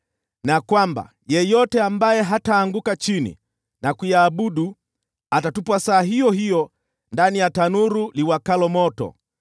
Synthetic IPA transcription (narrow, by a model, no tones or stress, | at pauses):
nakwamba̰ | jɛjɔtɛambajɛɦataːŋɡukat͡ʃinḭ | nakujaːbuɗu | atatupwasaːɦijɔɦijɔ | ndanijatanuɾuliwakalɔmɔtɔ̰